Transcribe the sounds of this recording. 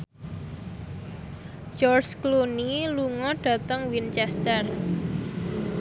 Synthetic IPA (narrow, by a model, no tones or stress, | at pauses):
d͡ʒɔrt͡ʃkluniluŋɔɖ̥ä̤t̪əŋwint͡ʃɛst̪ər